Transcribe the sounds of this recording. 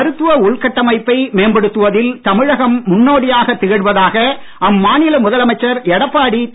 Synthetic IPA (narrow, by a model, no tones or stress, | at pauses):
ɐɾɯt̪ːɯʋɐʊɭkɐʈːɐmɐɪpːɐɪmeːnbɛɽɯt̪ːɯʋɐðɪlt̪ɐmɪɻɐɣɐmːʊnːoːɽɪjaːɣɐt̪ːɪɣɐɻʋɐðaːɣɐ | ʔɐmːaːnɪlɐmʊðɐlɐmɐɪt͡ʃːɐɾɛɽɐpːaːɽit̪